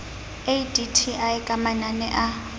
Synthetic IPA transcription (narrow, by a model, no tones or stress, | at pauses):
editʰiʔaɪkʼamananɛʔa